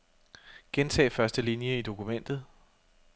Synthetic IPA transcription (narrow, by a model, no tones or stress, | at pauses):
ɡ̥ent͡sʰɛ̰ːfɶɐsd̥əlinjəid̥o̝kʰumen̰d̥ð̞̩ˠ